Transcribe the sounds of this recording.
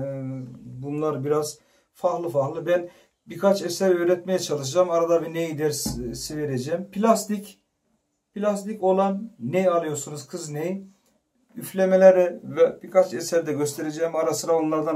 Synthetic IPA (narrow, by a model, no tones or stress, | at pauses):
bunlˠaɾbiɾaz̥ | faxlˠɯfaxlˠɯbæn | bikʰat͡ʃesæɾøːɾɛt̪mejɛt͡ʃʰalˠɯʃ̬ad͡ʒamaɾad̪avɛnejid̪æɾssive̞ɾed͡ʒɛːmpʰilʲast̪ʰic | pilʲast̪ico̞lˠanːejalˠɯjo̞ɾsunuzkʰɯznej | yflʲemelʲeɾɛvɛb̥ikʰat͡ʃɛsæɾd̪ɛɟøst̪ʰe̞ɾed͡ʒɛːmaɾasɯɾaonlˠaɾd̪a